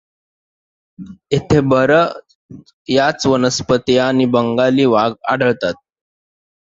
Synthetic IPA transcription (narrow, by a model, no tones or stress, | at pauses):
et̪ʰebəɾə | jat͡sʋənəspət̪janibəŋɡaliːʋaɡa̰ɽəɭt̪at̪̚